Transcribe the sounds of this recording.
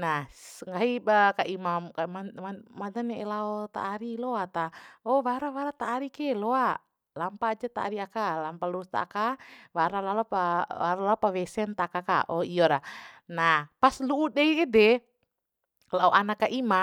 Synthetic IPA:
nasəŋɡaibakaʔimamkamaamadanɛɛlaɔt̪a̰ːɾilɔat̪aɔwaɾawaɾat̪aːɾikɛlɔa | lampaːd͡ʒat̪a̰ːɾiakalampaluust̪a̰a̰kawaɾalalɔpaaɾalaɔpawɛsɛnt̪akaka̰ʔɔijɔɾanahpasluudaiɛdɛ | laɔʔanakːaʔima

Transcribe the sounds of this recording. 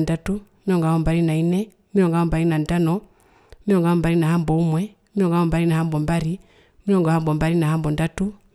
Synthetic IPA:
ndatu | miɾɔŋɡahɔmbaɾinainɛ | miɾɔŋɡaɔmbaɾinandanɔ | miɾɔŋɡaɔmbaɾinaɦambɔumwɛ | miɾɔŋɡaɔmbaɾinahambɔmbaɾi | miɾɔŋɡahambɔmbaɾinahambɔndatu

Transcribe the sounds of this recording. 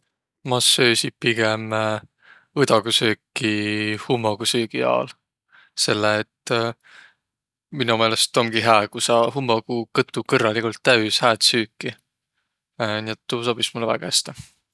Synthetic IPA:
mɑsøːsit̪̚piɡ̥em | ɯd̪ɑɡ̥usøːkːihumːoɡ̥usøːɡ̥iɑ̰ːl | se̞lːeːt̪ | minume̞ːlest̪o̞mɡ̥iɦæːkusɑɦumːoɡ̥ukɤt̪ˑːukɤrːɑlikult̪ːæyshæːt̪syːkːˑi | niet̪ːuːsob̥ismulːəvæ̰ɡ̥æst̪e

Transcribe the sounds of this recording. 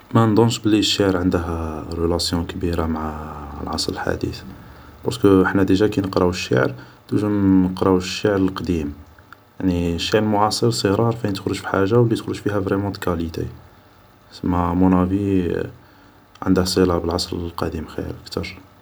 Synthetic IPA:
mænd̪ˤɑnʃbəlːiʃːaʕɾʕənd̪əɦɾəlæsjɔ̃kbiɾamaʕalʕɑ̰sˤɾəlħa̰d̪ḭθ | bɑ̰ɾˤskəəħnæd̪iʒækinəqɾˤɑwʃːa̰ʕɾd̪̥uʒunəqɾˤɑwʃːaʕɾəlqd̪im | jaʕniʃːaʕɾəlmʊʕɑsˤəɾsəɣɾˤɑɾˤfænt̪əxɾoʒfi̥ħaʒːawlːit̪əxɾuʒfihævɾɛmɑ̃t̪kælit̪ḛ | səmːæmunævi | ʕə̰nd̪əhsˤilɑbəlʕɑsˤɾəlqɑd̪imxḭɾʔək̚t̪ɑɾˤ

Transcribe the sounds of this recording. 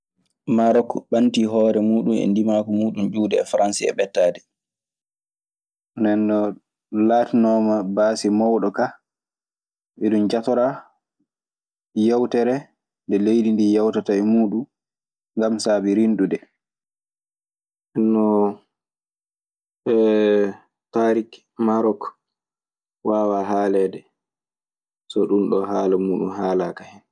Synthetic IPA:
maɾɔkːɔɓantiɦɔːɾɛmuːɗumɛ̰ndimakɔmuːɗumd͡ʒuːdɛːfɾansiɛ̰ɓɛtːaːdɛ | ndɛnːɔ | laːtinɔːmabaːsimɔwɗɔka | ʔɛɗumd͡ʒatɔɾa | jawtɛɾɛ | ndɛlejdindijawtataɛmuːɗum | ŋɡamsabiɾinɗudɛ | ʔɛnːɔ | ɛ | paɾik | maɾɔk | wawaɦaːlɛdɛ | sɔɗunɗɔɦaːlamuːɗunhaːlakahɛn

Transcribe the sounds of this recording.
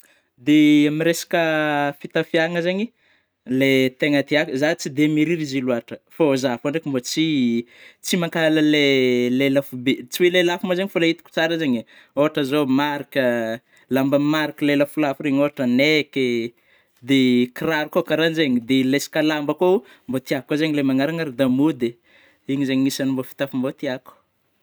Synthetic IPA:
d̪eamiɾesḁkəfit̪afiaŋəzeŋi | let̪eŋət̪iakzat͡sid̪emiɾiɾiziluaʈ͡ʂəfozafaɳɖ͡ʐekʲimbot͡si | t͡simakaləlelelafubet͡siwelelafumazeŋifolait̪u̥ku̥t͡saɾəzeŋi | oɦaʈ͡ʂəzomaɾikə | lambəmaɾikəleləfulafuɾeɲoɦaʈ͡ʂəneke | d̪ekiraɾukokaɾanzeŋid̪elesi̥kalambako | mbot̪iakozeŋilemaŋaɾaŋaɾid̪amud̪e | iŋizeɲiisanimbofi̥t̪afumbot̪iaku̥

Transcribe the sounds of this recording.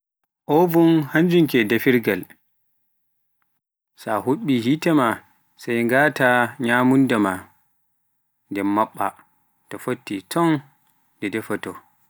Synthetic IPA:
ʔɔvunhaɲd͡ʒuŋkɛdafiɾɡal | sahuɓːiɦitɛma | sajŋɡaːtaɲamundama | ndɛmaɓːa̰ | tɔfotːitʰɔn | dɛdɛfatɔ

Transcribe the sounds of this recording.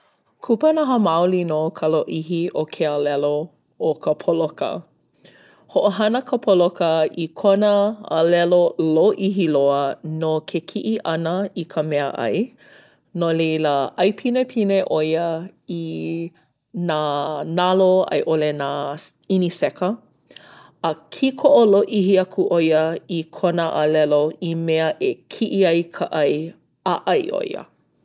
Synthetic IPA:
kʰupənɐɦəmawlinokʰəloʔiɦiʔokʰealɛlo | okʰəpʰolokə̰ | hoʔoɦɐnəkʰəpʰolokəikʰonəɐ̰lɛloloʔiɦiloənokʰekʰiʔiʔɐnəikʰəmɛəʔɐ̰j | noleləʔɐjpʰinepʰineʔojəi | nanaloɐ̰jʔolenainisɛkə | ɐkʰikʰoʔoloʔiɦiɐkʰuʔojəikʰonəʔɐlɛloimeəʔekʰiʔiɐjkʰəʔɐj | aʔɐjʔo̰j̰ə̰

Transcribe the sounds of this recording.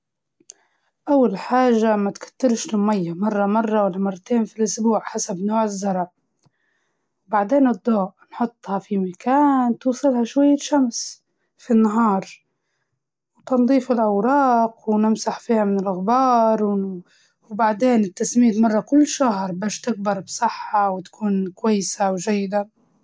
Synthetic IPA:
ʔawːalħaːʒːamat̪kḁt̪ːɪlʃnmajːamɑrˤːɑmɑrˤːɑwalːamɑrˤːɑt̪eːnfilʔʊsbuːʕħasabnoːʕɪzːɑɾˤʕ | wbaʕd̪eːnʔɨd̪ˤːɑːʔnħʊt̪ˤːhɑfimakaːnt̪uːsˤɨlhɑʃwajːaʃams | finːaɦɑːɾˤ | wt̪ɑnd̪ˤiːfɪlʔawɾˤɑːqwnɪmsaħfiːhamɪnɪlʔaɣbɑːɾˤw | wbaʕd̪eːnɪt̪ːasmiːt̪mɑrˤːɑkʊlːʃahɾˤbaːʃt̪ɪɡ̚bɑɾˤbsˤɨħːɑwt̪kʰuːnkwajːɪsawʒajːɪd̪a

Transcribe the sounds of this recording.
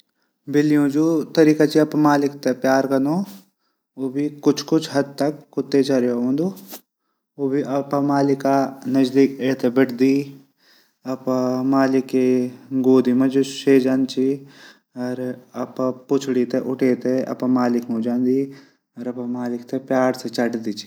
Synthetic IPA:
bɪlijõd͡ʒoːt̪ɐɾiːkat͡ʃiɐpmaːlɪkt̪epjaːɾkɐno | oːbʱikʊt͡ʃʰkʊt͡ʃʰɦɐd̪̚t̪ɐkːʊt̪ːet͡ʃɐɾeoõːnd̪o | oːbʱiʔɐpmaːlɪkanɐd͡ʒd̪iːkeːt̪ebɪʈʰd̪iː | ɐpmaːlɪkːeɡoːd̪ʱimɐ̃d͡ʒoseːd͡ʒaːnt͡ʃʰi | ɐɾɐppʊt͡ʃʰɽit̪eʔʊʈʰeːt̪eɐ̰pmaːlɪkmed͡ʒaːnd̪i | ɐɾɐpɐmaːlɪkt̪epjaːɾset͡ʃɐʈd̪it͡ʃʰi̥

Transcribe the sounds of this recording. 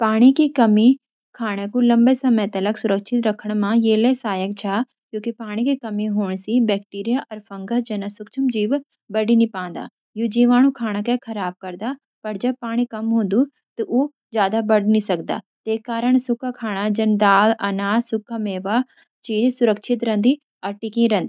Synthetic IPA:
paːɽ̃ikikɐmi | kʰaːɽ̃ekulɐ̃mbesɐmət̪ɐləksʊɾəkʃʰɪt̪ɾɐkʰəɽ̃mãjeːlesaːjək̚t͡ʃʰaː | kjõːkipaːɽ̃ikikɐmiɦoːɳ̃sibɛːk̚ʈiːɾijaʔɔːɾpʰɐ̃ŋɡəd͡ʒɐnɐsʊkt͡ʃʰɐmd͡ʒiːʋ | bɐɽinipãːnd̪a̰ː | jud͡ʒiːʋaːɽ̃ũkʰaːɽ̃akekʰɐɾaːb̚kɐɾd̪a | pɐɾd͡ʒɐb̚paːɽ̃ĩkɐmɦõːnd̪u | t̪ɐʔu | d͡ʒjaːd̪abɐɖnĩsɐk̚d̪a̰ː | t̪eːkːaːɾəɳ̃sʊkʰakʰaːɽ̃ad͡ʒɐnd̪aːlɐnaːsʊkʰːameːʋa | t͡ʃiːd͡ʒsʊɾəkʃʰɪt̪ɾɐ̃nd̪i | ɐɾʈɪkĩɾɐ̃nd̪i

